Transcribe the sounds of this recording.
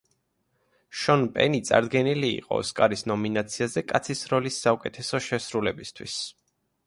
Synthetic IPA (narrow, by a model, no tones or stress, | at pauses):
ʃɔnpʼɛ̰nit̪sʼa̰ɾd̪ɡɛnilḭːqʼɔ̰skʼaɾisnɔminat̪sʰiazɛkʼat̪sʰisɾɔlisːaukʼɛt̪ʰɛsɔʃɛsɾulɛbist̪ʰwḭs